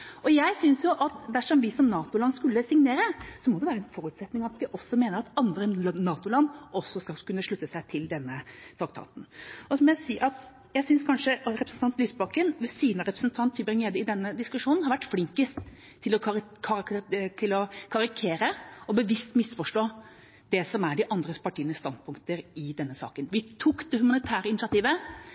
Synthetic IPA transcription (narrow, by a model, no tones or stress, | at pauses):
ʔɔjæɪsʏnsjʊʔɑt̪d̪æʂɔmʋɪsɔmnɑːt̪ʊlɑnskʉlːəsɪŋneːɾəsɔmɔd̪ɛʋæːɾəɛnfɔɾʉt̪sɛt̪nɪŋɑʋɑt̪ʋɪʔɔsːɔmeːnəɾɑt̪ɑnd̪ɾənɑːt̪ʊlɑnːɔsːɔskɑkʉnːəʂɭʉt̪ːəsæɪt̪ʰɪld̪ɛnːət̪ʰɾɑkt̪ʰɑ̰ːt̪n̩ɔsɔmɔjæsiːʔɑt̪ | jæɪsʏnskʰɑnʂəɾɛpɾəsn̩t̪ɑnt̪lyːsbɑkːənʋɛsiːnəɾɛpɾəsnt̪ʰɑnt̪ʰybɾɪŋːeːd̪əɪd̪ɛnːəd̪ɪskʉʂuːnnhɑɾʋæʈːflɪŋkəst̪ | t̪ʰːɪlɔkʰɑt̪ʰɪlɔkʰɑɾɪkʰeːɾəɔbəʋɪst̪mɪsfɔʂʈoː | d̪̥ɛsɔmæɖɪʔɑnd̪ɾəpʰɑʈʰiːənəst̪ɑnd̪̚pʰʊŋkt̪əɾɪd̪ɛnːəsɑ̰ːkənʋɪt̪ʰuːkd̪̥ɛhʉmɑnɪt̪ʰæːɾəɪnɪsɑt̪iːʋə